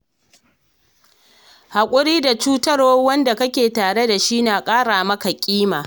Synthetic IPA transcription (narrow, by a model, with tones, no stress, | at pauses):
ha˨kʷʼʊ˦ɽiː˦da˨t͡ʃuː˦tɐ˦ro˦wɐ˦nda˨kɐ˦kʲeː˨taː˨ɽe˦da˨ʃi˦naː˨kʼaː˦ɽaː˨mɐ˦ka˨kʲʼiː˦maː˨